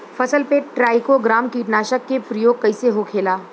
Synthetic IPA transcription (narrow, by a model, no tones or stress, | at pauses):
fɐsəlpeʈɾaːɪkoɡɾaːmkiːʈnaːʃəkːepɾɐjoːɡ̚kɐiseɦokʰeːlaː